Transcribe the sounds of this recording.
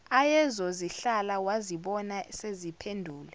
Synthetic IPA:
ajɛzɔziɬalawaziɓɔnasezipʰendʱuːlɛ

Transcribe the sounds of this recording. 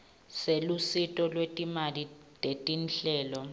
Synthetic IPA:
selusitʼɔlwetʼimali | tʼetʼinɬɛːlɔ

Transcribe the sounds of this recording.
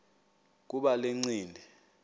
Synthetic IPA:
k̬uɓaleŋ͡ǀiːndʱɛ

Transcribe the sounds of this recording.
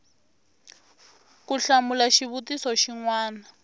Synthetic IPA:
kuɬamulaʃiβutisɔʃiŋwaːna

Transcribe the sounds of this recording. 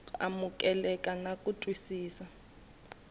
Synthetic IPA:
a̰muk̬ʼɛlɛkʼanakʼutʼwisiːsa

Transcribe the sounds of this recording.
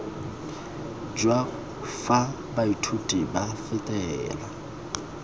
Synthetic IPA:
d͡ʒwa | fa | baitʰutʼibafɪtʼɛːla

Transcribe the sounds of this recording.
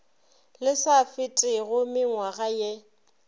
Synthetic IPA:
lɪsafɪtʼɪɣʊmɪŋwaɣaje

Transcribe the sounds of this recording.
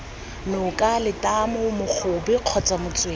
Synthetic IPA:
nʊkʼalɪtʼamɔmʊk͡xʰʊbɪq͡χʰɔt͡sʼamʊt͡sʼweː

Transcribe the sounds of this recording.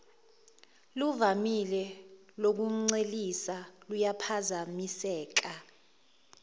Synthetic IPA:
luvamilɛ | lok̬um̩ŋ͡ǀelisalujapʰazamisɛːk̬a

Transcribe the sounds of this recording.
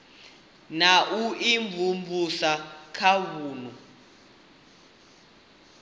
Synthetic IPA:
naʔuiɱvʱumbusakʰaβuːnu

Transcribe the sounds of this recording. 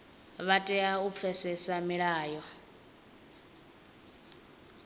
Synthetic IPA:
βatʼɛaup̪fʰɛsɛsamiɺaːjɔ

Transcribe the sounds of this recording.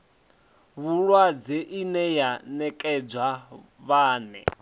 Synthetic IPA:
βuɺwad͡zeʔinɛjanɛkʼɛd͡zwa | βaːnɛ̰

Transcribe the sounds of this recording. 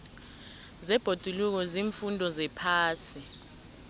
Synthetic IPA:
zɛb̥ʱod̥ʱuluk̬ɔziːɱfundʱɔzɛpʰaːsi

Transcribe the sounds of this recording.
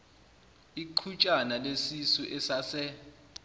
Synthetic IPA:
iǃʰut͡ʃʼanalesisuʔɛsasɛ

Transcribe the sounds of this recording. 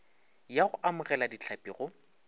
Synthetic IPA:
jaɣʊʔamʊɣɛladit͡ɬʰapʼiːɣɔ

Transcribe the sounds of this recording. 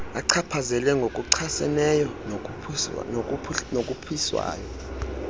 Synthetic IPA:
aǀʰapʰazɛlɛŋɡʱokʼuǀʰasɛ̰nɛjɔ | nok̬ʼupʰiswa̰ːjɔ

